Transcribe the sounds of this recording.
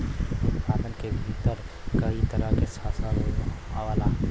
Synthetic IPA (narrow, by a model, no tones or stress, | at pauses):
ʊt̪paːd̪ənkebʱiːt̪əɾkəit̪əɾakesaːsaɾawaːla